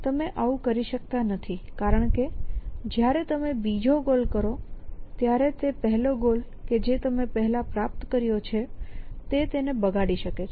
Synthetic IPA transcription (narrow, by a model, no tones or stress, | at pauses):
t̪əmeʔaũkəɾiʃək̚t̪anət̪ʰikaɾəɳ̃ked͡ʒjaɾet̪əmebid͡ʒoɡolkəɾot̪jaɾet̪epəɦɛloɡol | ked͡ʒet̪əmepəɦɛlapɾap̚t̪kəɾjot͡ʃʰet̪et̪enebəɡaɽiʃəket͡ʃʰ